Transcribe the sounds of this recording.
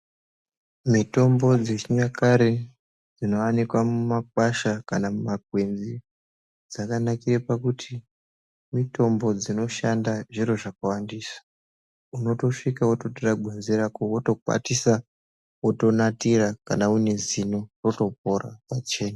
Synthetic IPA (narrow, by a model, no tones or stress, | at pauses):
mito̞mbo̞d͡zet͡ʃɲakaɾe | d͡zino̞wanikwamumak̚waʃakanamumaɡʱwe̞nzi | d͡zakanakirepakutʰi | mito̞mbo̞d͡zino̞ʃandaʐiro̞ʐakawandiːsḁ | uno̞to̞ʂikawoto̞toraɡʱenzeɾakowoto̞kwa̰tisa | oto̞natiɾakanaune̞zino̞ro̞to̞p̚ora̰pat͡ʃe̞ːna